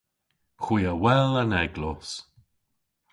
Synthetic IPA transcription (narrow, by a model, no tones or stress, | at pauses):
xwiːawɛlanɛɡlɔs